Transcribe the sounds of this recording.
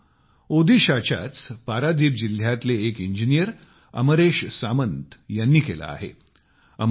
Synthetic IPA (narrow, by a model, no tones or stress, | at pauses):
od̪ʱiɕat͡ɕa̰t͡spaɾad̪iːp̚d͡ʑil̤jat̪leːkiɲd͡ʑinijəɾ | ə̰məɾeɕsamənt̪janːiːkela̰ːɦḛ | əm